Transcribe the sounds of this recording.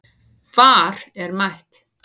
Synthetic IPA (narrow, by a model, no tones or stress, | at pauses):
vaːɾ̥ɛɾmajht̪